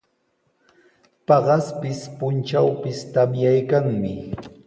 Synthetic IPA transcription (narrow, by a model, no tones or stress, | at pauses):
pɑɢɑspɪspʊnt͡ʃawpɪst̪amjajkaŋmɪ